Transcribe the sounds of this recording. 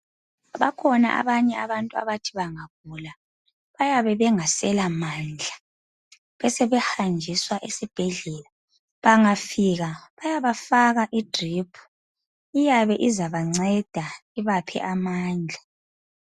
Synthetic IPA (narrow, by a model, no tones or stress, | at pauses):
βakʰɔna̰ʔa̰βaɲɛa̰βantʼua̰βatʰiβaŋaɣula | βajaβɛβɛŋasɛlamand͡ɮʱa | βɛsɛβɛhand͡ʒʱiswaʔesib̥ʱɛɮɛla | βaŋafiɣaβajaβafaɣaʔid̥ʱripʰu̥ | ijaβɛʔizaβaŋ͡ǀɛd̥ʱaiβapʰɛ̰ʔamaːnd͡ɮʱa